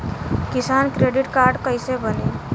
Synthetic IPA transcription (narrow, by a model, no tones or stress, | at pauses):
kisankɾeɖiʈkaɾɖkəjsebəni